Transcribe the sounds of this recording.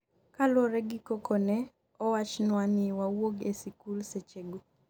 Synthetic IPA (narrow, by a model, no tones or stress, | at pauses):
kalɔɾɛɡikokɔnɛ | ɔwat͡ʃnwanɪwawoɡesikulset͡ʃeɡo